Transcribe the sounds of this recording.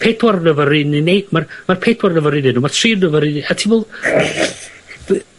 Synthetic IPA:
pʰedwɔrnəvəɾininejdmarmarpʰeːdwarnəvəɾinɪnuːmar̥tʰriːnəvəɾinatʰivolˠ

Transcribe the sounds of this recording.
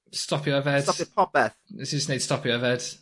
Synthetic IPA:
stɒpʰjəvɛd̥əpʰɒp̚b̥ɛθɪsd͡ʒəsneɪd̥stɒpjəvɛd̥

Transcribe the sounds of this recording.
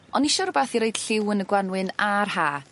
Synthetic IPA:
ɔniʃɔɾbaθiɾojd̥ɬɪwənəɡwanwɨnarhaː

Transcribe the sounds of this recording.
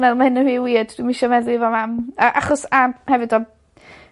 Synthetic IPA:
nɛðlˠmahɪnːəwiwiːədd̥wimɪʃɛmɛðˠiivɔmaməʔaχɔsahɛvɨdɔ

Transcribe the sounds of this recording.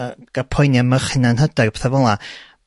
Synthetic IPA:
ɡ̥apʰɔjnjaməχɪnanɦədɛrpɛθavɔlˠa

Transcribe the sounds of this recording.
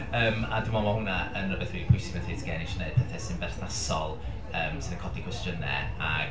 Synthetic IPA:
əːmadɪmɔmahʊnaənəbɛθwiːpʰʊjsɪ̥məθiːtʰɡɛːnɪʃɔneɨd̚pʰɛθɛsɪnbɛrθnasɔlˠ | əːmsɪnənkʰɔdikʰw̥ɛstənɛ̰ | a̰

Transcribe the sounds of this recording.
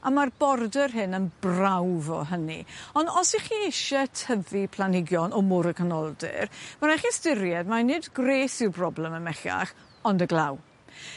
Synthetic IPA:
amarbɔrdərɦɨnənbrawvɔ̰ɦənḭɔndɔsiχiːɪʃɛtʰəðipʰlˠanɪɡjɔnɔmʊɾəkʰənɔlˠdɨ̰rmaɾaχistɪɾjɛdmanɪdɡreːsɪwbrɔblˠɛməmɛɬa̰χ | ɔndəɡlˠaw

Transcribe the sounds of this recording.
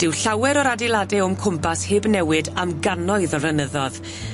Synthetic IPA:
d̥ɪwɬawɛɾɔɾadɪlˠadɛʊmkʰʊmpʰasheːbnɛwɨdamɡanɔɨðɔrənəðɔð

